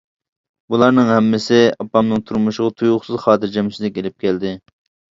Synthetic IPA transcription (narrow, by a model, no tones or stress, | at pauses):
bulˠɑɾnɨŋhɛmːɪsɪɑpːɑmnɨŋt̪ʰuɾmuʃɪʁɑt̪ʰujʊχsɨzχɑːt̪ɪɾd͡ʒɛmsɪzɪkʲelɪp̚kʲɛld̪ɪ